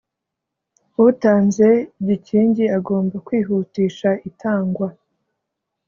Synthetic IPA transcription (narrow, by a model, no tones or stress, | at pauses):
utaːnze̞ɟiciːɲɟiaɡo̞ːmbakwiːɦutiːʃaitʰaːŋɡwa